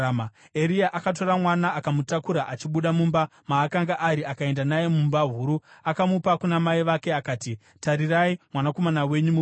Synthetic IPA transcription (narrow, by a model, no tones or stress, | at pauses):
eɾijaʔakat̬o̞ɾamwanaʔakamutakuɾaʔat͡ʃiɓuɗamumbamaːkaŋɡaʔaɾiakae̞ndanaje̞mumbaɦuɾuakamupakunamaiʋake̞akaːti | taɾiraimwanako̞manawe̞ɲumu